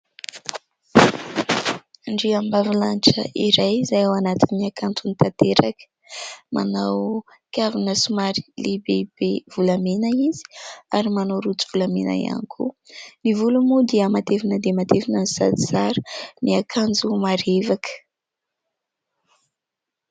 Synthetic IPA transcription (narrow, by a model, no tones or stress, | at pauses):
ɳɖ͡ʐiambavilanʈ͡ʂə̰ʔiɾajzajawanat̪inniakʰant͡sunit̪at̪eɾakə̥ | ma̰naw | kʲavinəsumaɾilebeb̥ev̥ulamenaizi̥aɾimanawɾut͡su̥v̥ulamena̰ja̰nikʰṵnivulumud̪eəmat̪efinəd̪emat̪efinansa̰d̪isaɾəniakʰand͡zumaɾevakə̥